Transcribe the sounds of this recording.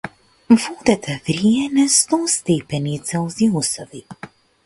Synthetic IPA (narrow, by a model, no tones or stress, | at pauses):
vɔd̪ɛt̪ɛvɾiɛnɛst̪ɔst̪ɛpɛnit̪sɛlˠziusɔvi